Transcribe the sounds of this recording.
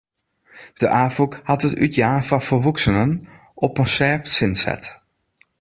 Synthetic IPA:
d̥əʔaːfukhɑtətytjaːfafəʋuksənən | ʔɔpənsɛːfsɪnsɛ̰t

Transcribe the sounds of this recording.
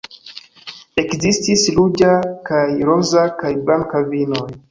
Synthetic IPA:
ekzistislud͡ʒakajɾozakajblaŋkavinoj

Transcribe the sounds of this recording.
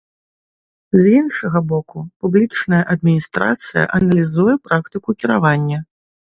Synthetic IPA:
zinʂɐɣɐbɔkupublʲit͡ʂnɐjɐʔɐd̪̚mʲinʲist̪ɾa̰t̪sɨjɐ̰ʔɐnɐlʲizujɛpɾakt̪ɨkukʲiɾavanʲːɐ

